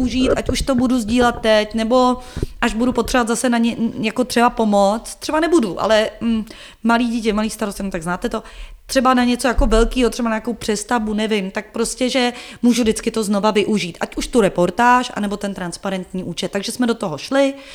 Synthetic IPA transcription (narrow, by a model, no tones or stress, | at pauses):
uʒiːt̪ʔacuʃt̪o̞buduzɟiːlɛt̪̚t̪ːɛcnɛbo̞ʔaʒbudupot̪r̝ɛvoat̪zasɛnaɲɛjako̞t̪r̥ɛbapo̞mot͡st̪r̥ɛbanɛbuduʔa̰lɛm̩ | maliːɟiːc̬ɛmaliːst̪aɾoscɛnot̪aɡznaːt̪ɛt̪o̞t̪r̥ɛbanaɲɛt͡so̞jako̞vɛlkiːɦot̪r̥ɛbanajakowpr̝̥ɛst̪avunɛvɪmt̪ak̚pɾo̞scɛʒɛmuːʒudɪt͡skɪt̪o̞zno̞vavɪʔuʒiːt̪ʔa̰cuʃt̪uɾɛpo̞ɾt̪aːʃʔa̰nɛbo̞t̪ɛnt̪ɾanspaɾɛnt̪ɲiːʔuːt͡ʃɛt̪ːaɡʒɛsmɛdo̞t̪o̞ɦo̞ʃlɪ